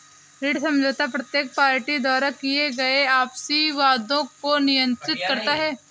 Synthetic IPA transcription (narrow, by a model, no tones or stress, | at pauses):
ɾiːɽsɐ̃md͡ʒʱoːt̪apɾɐt̪jeːk̚paːɾʈid̪ɔːɾakieɡɐeaːpsiʋaːd̪õkonɪjə̃nt̪ɾɪt̪kɐɾt̪aɦɛː